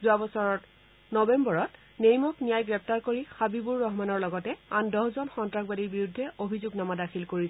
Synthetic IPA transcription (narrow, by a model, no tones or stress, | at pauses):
zuabɔsɔɹɔt | nɔbɛmbɔɹɔt | nejmɔknijajɡɹɛp̚taɹkoɹixabibuɹːɔɦmanɔɹlɔɡɔtɛandɔɦzɔnxɔntɹakbadiɹbiɹudʱːɛʔobʱizuɡnamadakʰilkoɹis